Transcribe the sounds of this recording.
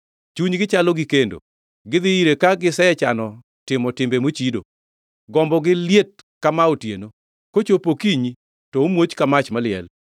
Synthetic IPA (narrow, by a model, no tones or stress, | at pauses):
t͡ʃuɲɡɪt͡ʃalɔɡɪkendo̰ | ɡɪd̪ɪiɾekaɡɪsɛɛt͡ʃanɔ | tɪmɔtɪmbemot͡ʃido̰ | ɡɔmbɔɡɪljet̚ | kamaotjeno | kot͡ʃopokiɲi | tɔomwot͡ʃkamat͡ʃmalɪɛ̰l